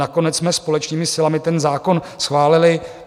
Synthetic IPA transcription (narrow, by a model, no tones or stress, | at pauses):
ako̞nɛtt͡ssmɛspo̞lɛt͡ʃniːmɪsɪlamɪt̪ɛnzaːko̞n | sxvaːlɪlɪ